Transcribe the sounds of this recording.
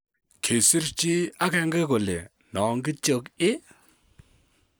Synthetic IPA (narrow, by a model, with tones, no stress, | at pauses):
kʰe˨si˦ɾt͡ʃi˦a˦kɛ˨˧ŋɡe˦ko˨lḛ˨ | nɔ˨ŋɡɨ˦t͡ʃo˦kɪ˦